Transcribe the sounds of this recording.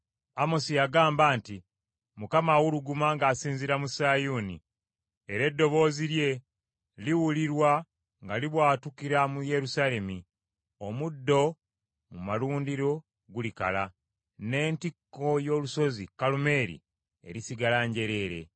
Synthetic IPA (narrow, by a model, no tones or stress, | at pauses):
amo̞sijaɡaːmbaːnti | mukamawuluɡumaŋɡaːsiːnziɾamusaːjuːnḭ | eɾe̞dːo̞βo̞ːziɾje̞ | liwuliɾwa | ŋɡaliβwaːtukiɾamuje̞ɾusale̞mi | o̞mudːo̞ | mumaluːndiɾo̞ | ɡulika̰la | ne̞ːntikːo̞jo̞ːluso̞zikalume̞ːɾḭ | e̞̰ɾisiɡalaːɲɟe̞ɾe̞ːɾe̞̰